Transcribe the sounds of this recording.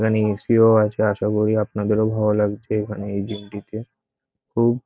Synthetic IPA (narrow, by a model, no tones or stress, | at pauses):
kʰanisioat͡ɕʰeaʃaɡoɾiapnad̪eɾobʱaolaɡt͡ɕʰeekʰaneejd͡ʑimʈit̪e | kʰuːb